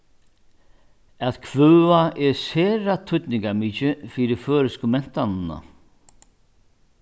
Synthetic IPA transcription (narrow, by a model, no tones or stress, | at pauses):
aðkʰvœːaʔɛɾsɛːɾat̪ʰʏt̪nɪŋkamiːt͡ʃɪfiːɾɪføːɾɪskʊmɛn̥t̪anɪna̰